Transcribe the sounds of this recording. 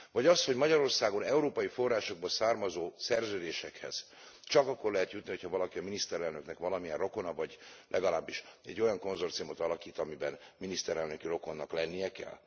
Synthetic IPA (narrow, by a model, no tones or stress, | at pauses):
vɒɟɒst̪ho̞ɟmɒɟɒɾo̞rsaːɡo̞nɛuɾoːpɒjifo̞rːaːʃo̞ɡ̚bɒsaːrmɒzoːsɛrzøːd̪eːʃɛkhɛ̰z̥ | t͡ʃɒkɒkːo̞rlɛɦɛt̪jut̪niho̞chɒvɒlɒkiɒminist̪ɛɾɛlnøknɛkʋɒlɒmijɛro̞ko̞nɒvɒɟlʔɛɡɒlaːbːiʃɛ̰ɟːo̞jɒŋko̞nzo̞rt̪sijumo̞t̪ɒlɒkiːt̪ɒmibɛnminist̪ɛɾɛlnøkiro̞ko̞nːɒklɛnːijɛkɛ̰l